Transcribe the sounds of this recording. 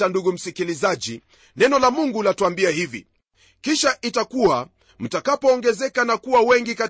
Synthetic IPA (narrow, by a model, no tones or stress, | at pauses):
anduɡum̩sikilizaʄi | nɛnɔlamuŋɡulatuambiaɦivḭ | kiʃaʔitakua | m̩takapɔːŋɡɛzɛkanakuwawɛŋɡika